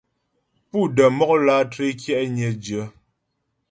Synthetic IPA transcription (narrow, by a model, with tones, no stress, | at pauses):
pu˦˨də˨mɔ˦k̚laː˦tɾe˦kjɛ˦ʔɲɛ˨d͡ʒə˨˦